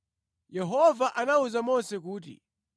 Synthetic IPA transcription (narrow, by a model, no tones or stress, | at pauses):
jɛɦɔvaʔanauzamɔnsɛkuːt̬ḭ